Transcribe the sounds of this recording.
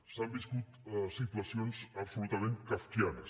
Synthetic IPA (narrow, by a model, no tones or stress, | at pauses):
sambiskut̪sit̪wasionsapsulut̪amẽnkafkjaðəs